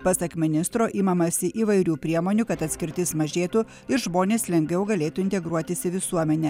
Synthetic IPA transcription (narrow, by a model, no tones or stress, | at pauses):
pɐsɐkmʲɪnʲɪst̪ɾoːʔiːmɐmɐsʲɪʔiːʋɐɪɾʲuːpʲɾʲiɛmoːnʲukɐt̪ɐt̪ʲsʲkʲɪɾʲt̪ʲɪsmɐʒʲeːt̪u | ɪɾʒmoːnʲeːslʲɛŋʲɡʲʋʲɛʊɡɐlʲeːt̪uːɪnʲt̪ʲɛɡɾuɔt̪ʲɪsʲɪʋʲɪsuɔmʲɛnʲɛ